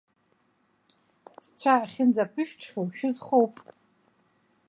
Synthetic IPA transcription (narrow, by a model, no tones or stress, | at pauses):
st͡sʷʰaχʲɪnd͡zapʰɨʃᶣʈ͡ʂʰχʲowʃᶣɪzχowpʼ